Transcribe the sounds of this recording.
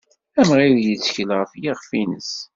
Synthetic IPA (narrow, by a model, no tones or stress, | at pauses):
æmʁiðjət͡sːçəlʁəfjiʁfinə̰s